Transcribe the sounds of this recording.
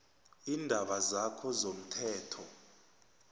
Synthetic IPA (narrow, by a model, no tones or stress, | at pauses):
iːndʱaɓazakʰɔzom̩tʰɛːtʰɔ